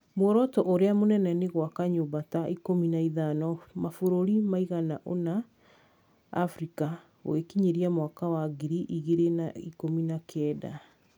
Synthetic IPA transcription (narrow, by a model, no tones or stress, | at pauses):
mwɔɾɔtɔʔoɾeamonɛnɛneɣwakaɲobataikominaiðanɔmafoɾoɾimaiɣanaʔo̰na | fɾika | wekiɲeɾiamwakawaɡiɾiʔiɣeɾenaikominakʰɛːda̰